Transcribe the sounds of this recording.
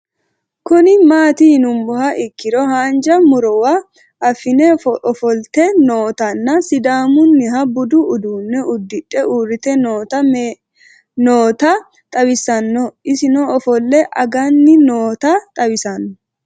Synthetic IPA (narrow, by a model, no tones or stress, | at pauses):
kʊnɪmaːt̪inʊmbɔhɐʔɪkːɪɾɔhaːnd͡ʒɐmʊɾɔwa | ɐfɪnɛɔfɔlt̪ɛnoːt̪ɐnːɐsɪd̪aːmʊnːɪɦɐbʊd̪ʊːd̪uːnːɛʊd̪ːɪᶑɛʔuːrːɪt̪ɛnoːt̪ɐ | noːt̪ɐ | t̪ʼɐwɪsɐnːɔɪsɪnɔɔfɔlːɛʔɐɡɐnːɪnoːt̪ɐt̪ʼɐbɪsɐnːɔ